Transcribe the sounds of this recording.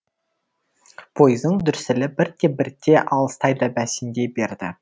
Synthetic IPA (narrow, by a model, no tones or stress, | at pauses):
b̥ʰo̞jzd̪əɴd̪ʏɾsɪlɪbɪɾt̪ːe̞bɪɾt̪ʰːe̞ʔɑlˠəst̪ɑjd̪ɑbæsɪnd̪e̞be̞ɾd̪ɪ̰